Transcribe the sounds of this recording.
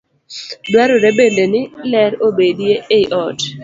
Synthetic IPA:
dwaɾoɾɛbendenɪlɛɾobedjeeʔɔt

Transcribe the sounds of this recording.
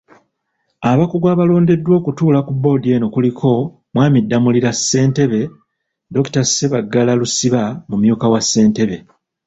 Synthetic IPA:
aβakuɡwaːβalo̞ːnde̞dːwo̞ːkutuːlakubo̞die̞ːno̞kulikʰo̞ | mwaːmidːamuliɾasːe̞ːnte̞βe̞ | do̞ktaseβaɡːalalusiβamumjuːkawasːe̞ːnte̞βe̞

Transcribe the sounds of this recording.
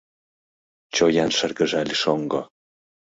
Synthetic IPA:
t͡ɕojanʃə̆rɡə̆ʒalʲiʃoŋɡo

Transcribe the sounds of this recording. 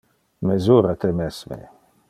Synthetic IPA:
mezuɾat̪emɛsmḛ

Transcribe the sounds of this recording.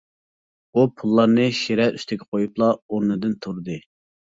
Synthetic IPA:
upʰulˠːɑɾnɨʃeɾɛɾyst̪ʰɪkʲʰɛ̥qʰojuplˠɑoɾnɨd̪ɨnt̪ʰuɾd̪ɨ

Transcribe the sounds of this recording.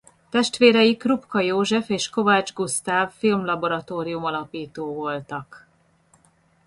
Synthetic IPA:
t̪ɛʃt̪ʋeːɾɛjikrupkɒjoːʒɛfeːʃko̞vaːd͡ʒɡust̪aːfːilmlɒbo̞ɾɒt̪oːɾijumɒlɒpiːt̪oːvo̞lt̪ɒk

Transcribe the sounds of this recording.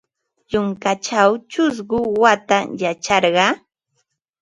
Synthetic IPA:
jʊŋkat͡ʃawt͡ʃʊs̬ɢʊwat̪ajat͡ʃɑɾɢɑ

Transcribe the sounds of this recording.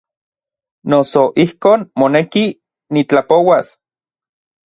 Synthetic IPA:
nosoʔihkoːnmoneki | nit͡ɬapowas

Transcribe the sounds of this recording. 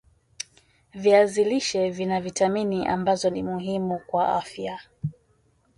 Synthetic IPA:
viaziliʃɛvinavitaminiʔa̰mbazɔnimuɦimukwaʔa̰fja

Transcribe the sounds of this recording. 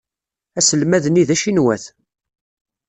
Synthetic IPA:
æsəlmæðniðæʃinwæθ

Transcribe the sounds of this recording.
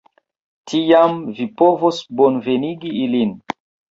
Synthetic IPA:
tʰijamvipovosbonveniɡiilin

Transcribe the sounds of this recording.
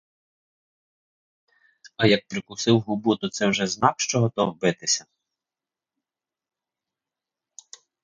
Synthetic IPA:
ɐjɐk̚pɾɪkʊsɪwɦʊbut̪ʊt̪sɛwʒɛznɑkʃt͡ʃɔɦɔt̪ɔwbɪt̪ɪsʲɐ

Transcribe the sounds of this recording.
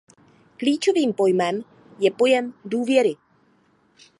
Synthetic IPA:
kliːt͡ʃo̞viːmpo̞jmɛm | jɛpo̞jɛmduːvjɛɾɪ

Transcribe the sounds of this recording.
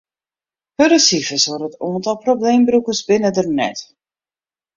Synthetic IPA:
həɾəsifəsʋorətɔəntɔlˠprobleːmbrukəsbɪnədərnɛ̰t

